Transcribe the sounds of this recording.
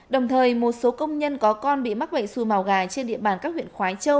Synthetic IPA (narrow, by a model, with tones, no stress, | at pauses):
ɗə˨˩wŋ͡mt̪ʰəː˨˩jmo˨˩t̚so˨˦kə˧wŋ͡mɲə˧nkɔ˨˦kɔ˧nɓḭ˧˨ma˦˥k̚ɓə̰˧˨jsu˨˩maː˨˩wɣaː˨˩jt͡ɕe˧nɗḭ˧˨əɓaː˨˩nkaː˦˥k̚hwḭ˧˨ənxwaː˨˦jt͡ɕə˧w